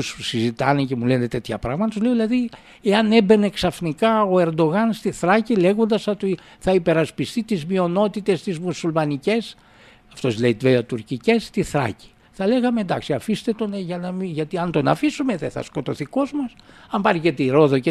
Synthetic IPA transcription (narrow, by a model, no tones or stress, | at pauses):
ussizit̪ɐnece̞mule̞net̪et̪çɐpɾɐɣmɐt̪ɐtuzle̞oðilɐði | e̞ɐne̞be̞ne̞ksɐfnikɐo̞e̞ɾd̪o̞ɣɐnst̪iθɾɐcile̞ɣo̞nd̪ɐst̪iθɐipe̞ɾɐspist̪it̪izmio̞no̞t̪it̪e̞st̪izmusulmɐnice̞s | ɐft̪o̞sleit̪veot̪uɾcice̞st̪iθɾɐ̰ci̥ | θɐle̞ɣɐmeend̪ɐksiɐfist̪e̞t̪oneʝɐnɐmiʝɐt̪iɐnt̪o̞nɐ̰fisume̞ðeθɐ̰sko̞t̪o̞θiko̞zmɐsɐmbɐɾcet̪eiɾo̞ðo̞ce